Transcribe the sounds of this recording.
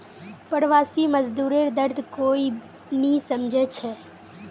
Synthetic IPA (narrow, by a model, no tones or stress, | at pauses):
pəɾʋaːsiməzd̪uːɾeɾd̪əɾd̪ʱkoːi | nĩsəmd͡ʒʱɛt͡ʃʰɛː